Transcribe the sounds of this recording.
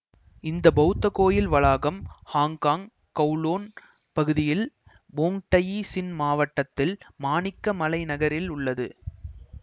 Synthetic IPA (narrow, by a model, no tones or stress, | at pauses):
ɪnd̪ɐbɐɯt̪ːɐkoːjɪlʋɐɭaːɣɐmhaːŋkaːŋ | kɐʊloːn | pɐɣɯðɪjɪl | boːŋʈɐjisɪnmaːʋɐʈːɐt̪ːɪlmaːnɪkːɐmɐlɐɪnɐɣɐɾɪlʊɭːɐðɯ